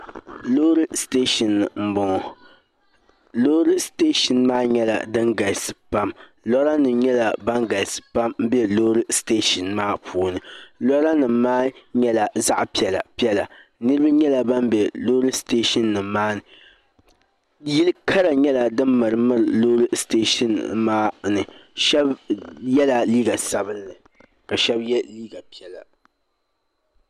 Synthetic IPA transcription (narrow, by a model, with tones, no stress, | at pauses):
lo˦ɾɨ˦steː˦ʃɔ˨nːɨ˨m̩˦bɔ˦ŋ˨ | loː˦ɾɨ˦ste˦ʃɪ˨nmaː˦ɲɛ˦la̰˨dɨ˦ŋɡa˨sɨ̥˨pa˦m | lɔ˦ɾa˦nɨ˨ɲɛ˦la˨ba˦ŋɡa˨sɨ̥˨pa˦mm̩˦bɛ˦lo˦ɾɨ˦ste˦ʃɪ˨nmaː˦pʰuː˨nɨ˨lɔ˦ɾa˦nɨ˨mːaː˦ɲɛ˦la˨za˦ʔpi˦ɛ˨la̰˨pi˦ɛ˦la˨nɨ˦ɾɨ˦ba˦ɲɛ˦la˨ba˦mbɛ˨lo˦ɾɨ˦steː˦ʃɨ˦nːɨ˨mːaː˦nɨ˨ | ji˦lɨ˦kʰa˦ɾa˨ɲɛ˦la˨dɨ˦mːɨ˨ɾɨ˨mɨ˦ɾɨ˨lo˦ɾɨ˦steː˦ʃi˨nmaː˦nɨ˨ʃɛ˦bjɛ˦la˨liː˦ɡa˨sa˨bɨ˦nː˦ɨ˨ | ka˨ʃɛ˦bjɛ˦liː˦ɡa˨pi˦ɛ˨la˨